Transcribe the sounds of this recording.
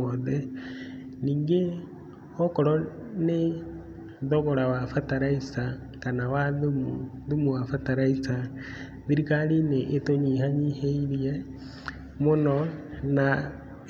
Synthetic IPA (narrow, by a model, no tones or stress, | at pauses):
oðe | niːŋɡe | ɔkɔɾɔ | ne | ðɔɣɔɾawafataɾaisa | kanawaðumu | ðumuwafataɾaisa | ðiɾikalineʔetoɲiɦaɲiheiɾie | mʊnɔna